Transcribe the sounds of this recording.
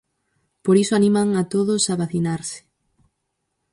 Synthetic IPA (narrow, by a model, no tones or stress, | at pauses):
poɾisʊanĩmaŋat̪oðʊsaβaθinaɾsɪ̥